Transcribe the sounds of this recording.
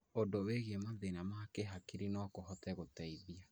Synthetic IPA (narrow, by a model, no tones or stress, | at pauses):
odoweɣemaðenamakeɦakiɾinɔkohɔtɛɣotɛiðia